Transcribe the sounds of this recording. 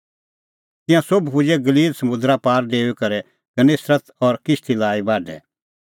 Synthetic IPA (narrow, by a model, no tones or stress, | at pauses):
t̪ɪ̃jãsobpʊd͡ʒɛɡɐliːlsɐmʊ̃d̪ɾapaːɾɖeːukɐɾɛ | kɐneːsɾət̪ɔɾkɪst̪ʰilaːibaːɖɛ̰